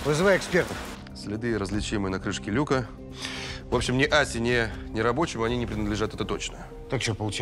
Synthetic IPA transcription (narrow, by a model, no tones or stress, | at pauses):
vɨzɨvajɪkspʲert̪əf | sʲlʲɪd̪ɨɾəzlʲɪt͡ɕimɨjənɐkɾɨʂkʲɪlʲukə | vo̞pɕːɪmnʲɪʔasʲɪnʲɪnʲɪɾɐbo̞t͡ɕɪmɐnʲinʲɪpɾʲɪnəd̪lʲɪʐat̪ɛt̪ət̪o̞t͡ɕnə̰ | t̪akt͡ɕopəlˠʊt͡ɕ